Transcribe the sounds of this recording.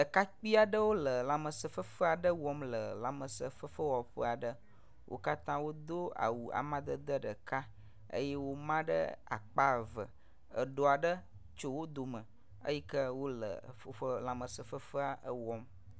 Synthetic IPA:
ɖə˨ka˦k͡pi˦a˨ɖə˦wo˦lə˨la˨mə˨sə˨fə˦fə˦a˨ɖə˦wɔ˦mlə˨la˨mə˨sə˨fə˦fə˦wɔ˨ɸə˦a˨ɖə˦ | wʔo̰˦ka˦t̪ã˦wo˦d̪o˦a̰˨wu˨a̰˨mã˦d̪ə˦d̪ə˦ɖə˨ka˦ | ə̰˦jɛ˦wo˦mã˦ɖə̰˦a̰˨k͡pa˦˨və̰˨ | ə̰˨ɖo˦a˨ɖə˦ | t͡ʃo˦wo˦d̪o˨mə˨ | ə̰˦ji˦kə˦wo˦lə̰˨fə˦ɸə˦la˨mə˨sə˨fə˦fə˦a˨ʔə˦wɔ˦m

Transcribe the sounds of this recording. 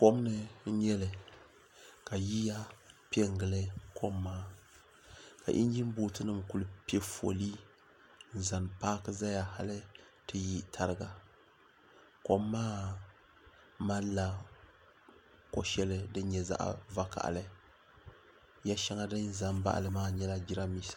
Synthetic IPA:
po˦m˦nɨ˦ɲɛ˦lɨ˨ | ka˨ji˦ja˦pɛ˦ŋ˨ɡɨ˨lɨ˦kʰo˦mːaː˦ | ka̰˨ʔḭ˦n˦d͡ʒi˦m˦buː˦tɨ˦nɨ˨mku˨lɨ˦pe˦fo̰˨li˦ | n̩˦˨za˨npaː˦kɨ˦za˦ja˨ha˦lɨ˦ | tɨ˦ji˦tʰa˦ɾɨ˦ɡa˨ | ko˦mːaː˦ | ma˦n˦la˦ | ko˨ʃɛ˦lɨ˦dɨ˦ɲɛ˨za̰˦ʔa̰˨va˦ka̰˨ʔlɨ˦ | ja˦ʃa˦ŋa˦dɨ˦n˦za˨nba̰˦ʔa̰˨lɨ˦maː˦ɲɛ˦la˦d͡ʒi˦ɾa˦mi˦sḁ˨

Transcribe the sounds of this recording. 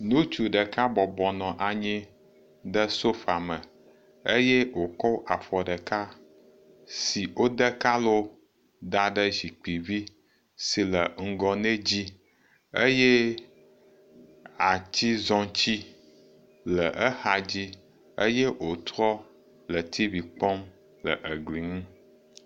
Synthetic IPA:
nũ˦t͡ʃu˨ɖə˨ka˦bɔ˨bɔ˨nɔ̃˨ʔa˨ɲĩ˦ | ɖə˦so˦fa˨mə˨ | ə˦jɛ˦wo˨kɔ˦wʔa˨fɔ˨ɖə˨ka˦ | si˨wo˦d̪ə˦ka˦lo˦ | d̪a˨ɖə˦zi˨k͡pi˨vi˦ | si˨lə˨ŋ̩˦˨ɡɔ˨ne˦d͡ʑi˦ | ə˦je˦ | a˨t͡ɕi˦zɔ̃˦t͡ɕi˦ | lə˨ʔə˦ha˨d͡ʑi˦ | ə̰˦je˦wo˨t̪ɾɔ˦ | lə˨t̪i˦vi˨k͡pɔ˦m | lə̰˨ʔə˨ɡli˨ŋũ˦

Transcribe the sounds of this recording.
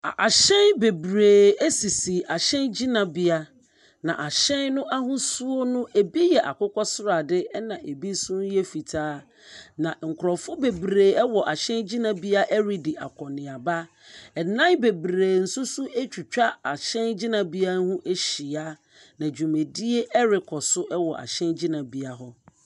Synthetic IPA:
a˨ʔa˨ɕɛ̃˦nbe˨bɾeː˨e˦si˨si˨a˨ɕɛ̃˦nd͡ʑi˦nã˨bi˦a˦ | nã̰˨ʔa˨ɕɛ̃˦nnʊ̃˦ʔa˦ɦʊ̃˦su˦o˦nʊ̃˦ʔe˨bi˦jɛ˨ʔa̰˨kʊ˦kʰɔ˦sʊ˦ɾa˨dɪ˦ɛ˦nã˨ʔe˨bi˦sʊ̃˦n˦jɛ˦fi˨tʰaː˦ | nã˨ŋ̩˨kʰʊ˨ɾɔ˨fʊ˦be˨bɾeː˨ɛ˦wɔ˨ʔa˨ɕɛ̃˦nd͡ʑi˦nã˨bi˦a˦ʔɛ˦ɾi˨dɪ˨ʔa̰˨kʰɔ˨nɪ̃˨a˨ba˦ | ɛ˨nã˦nbe˨bɾeː˨n̩˨sʊ˦sʊ˦e˦t͡ɕʰᶣu˨t͡ɕᶣa˦a˨ɕɛ̃˦nd͡ʑi˦nã˨bi˦a˦hũ˦ʔe˦ɕi˨a˦ | nã˨d͡ʑᶣu˨mẽ˨di˦e˦ʔɛ˦ɾɪ˨kʰɔ˨sʊ˦ʔɛ˦wɔ˨ʔa̰˨ɕɛ̃˦nd͡ʑi˦nã˨bi˦a˨ɦɔ˦

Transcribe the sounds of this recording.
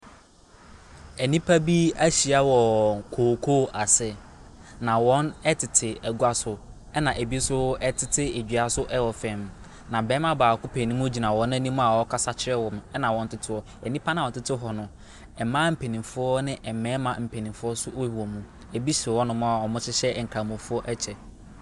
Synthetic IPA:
ɛ˨nĩ˦pʰa˦bi˦æ˦ɕi˨a˦wɔ˨kʰoː˨kʰo˦ʔa˨sɛ˦ | nã˨wɔ̃˦nɛ˦tʰɪ˨tʰɪ˨ɛ˨ɡu˦a˦sʊ˨ | ɛ˦nã˨ʔe˨bi˦sʊ˦ɛ˦tʰɪ˦tʰɪ˦e˨d͡ʑᶣɥa˨sʊ˦ʔɛ˦wɔ˨fɛ̃˨m | nã˨bɛː˨˦mã˦baː˨kʊ˦pʰe˨nĩ˦mũ˦d͡ʑi˨nã˨wɔ̃˨˦n˦æ̃˦nĩ˦mũ˦a˨wɔ˦kʰa˦sa˦t͡ɕʰɪ˦ɾɛ˦wɔ˨mɛ˦nã˨wɔ̃˨n̩˦tʰɪ˦tʰɪ˦wɔ˨ | ɛ˨nĩ˦pʰa˦nã˨ɔ̃˨n˦tɪ˦tʰɪ˦ɦɔ˨nʊ̃˨ | ɛ˨mã˦m̩˨pʰe˨nĩ˨fʊ˦ɔ˦nɪ̃˦ʔɛ˨mɛ̃ː˨˦mã˨m̩˨pʰe˨nĩ˨fʊ˦ɔ˦sʊ˦ʔo˦hɔ˨mũ˦˨ | e˨bi˦ɕɪ˨ɪ˨wɔ˦nʊ̃˦mã˦a˨ɔ˨mʊ̃˦t͡ɕʰɪ˦ɕɛ˦˨ŋ̩˨kʰɾa˨mũ˨fʊ˦ɔ˦ʔɛ˦t͡ɕʰɛ˨

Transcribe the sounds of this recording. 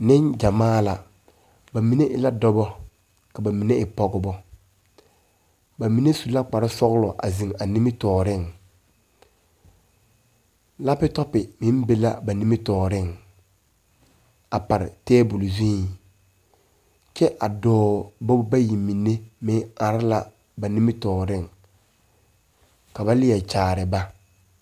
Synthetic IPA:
nɪ˦nd͡ʒa˨maː˦la˨ | ba˨mi˨ne˦ʔɪ˦la˦dɔ˦bɔ˦ | ka˨ba˨mi˨ne˦ɪ˨pɔ˦ɡʊ˦bɔ˦ | ba˨mi˨ne˦su˨la˦k͡pa˨ɾɪ˦sɔ˦ɣlɔ˨ʔa̰˨zi˨ŋa˨ni˦mɪ˦tɔː˨ɾɪ˦˨ŋ | la˦pɪ˦tɔ˦pɪ˨mɪ˦m˦be˦la˦ba˨ni˦mɪ˦tɔː˨ɾɪ˦˨ŋ | a˨pa˨ɾɪ̰˨tɛː˦bʊ˨lzĩ˦˨ | t͡ʃɛ˦ʔa˨dɔː˦bɔ˦bba˦ji˨mi˨ne˦mɪ˦ŋa˨ɾɪ˦la˦˨ | ba˨ni˦mɪ˦tɔː˨ɾɪ˦˨ŋ | ka˨ba˦lɪ˦ɛ˨t͡ʃaː˨ɾɪ˨ba˦

